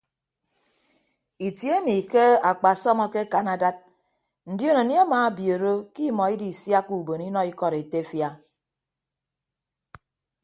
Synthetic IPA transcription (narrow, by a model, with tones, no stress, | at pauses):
i˨tje˦mi˨ke˦a˨k͡pa˨sɔ˦mɔ˦ke˦ka˨na˨da˦t̚ | n̩˨djo˦no˨nja˦maː˨˦bjo˨ɾo˦ki˦mɔ˨i˦di˨sja˦ku˨bo˨ni˦nɔ˦i˦kɔ˨ɾe˨te˦fja˦